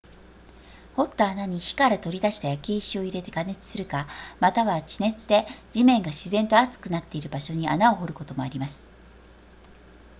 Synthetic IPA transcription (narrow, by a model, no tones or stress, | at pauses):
ho̞t̪ːaːnaɲ̟içi̥kaɾat̪o̞ɾʲid̪aɕi̥t̪ajakʲeiɕio̞iɾe̞t̪e̞kane̞t͡sɨ̥sɨɾɯ̟kamat̪aβat͡ɕine̞t͡sɨd̪e̞d͡ʑimẽ̞ŋɡaɕizẽ̞nt̪o̞at͡sɨ̥kɯ̟nat̪ːe̞iɾɯ̟baɕo̞ɲ̟iʔa̰nao̞ɦo̞ɾɯ̟ko̞t̪o̞mo̞aɾʲimasɨ̥